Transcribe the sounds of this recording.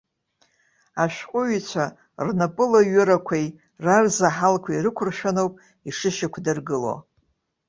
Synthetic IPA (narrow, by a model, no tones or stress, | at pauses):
aʃᶣqʷʼʊɥt͡ɕʷʰa | rnapʼɨlaɥʊɾakʷʰaj | rarzaħalkʷʰairɨkʷʰʊrʃᶣanowpʼ | iʂɨʃakʷʰdɨrɡɨlo̰